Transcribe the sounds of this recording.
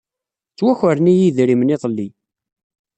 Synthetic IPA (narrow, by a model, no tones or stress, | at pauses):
t͡sːwæçəɾnijiðɾimniðˤlːi